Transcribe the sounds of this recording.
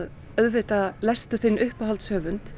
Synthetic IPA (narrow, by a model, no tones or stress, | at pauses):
ð | œðvɪːt̪alɛst̪ʏθɪnːʔʏhpahalt̪sœːvʏnt̪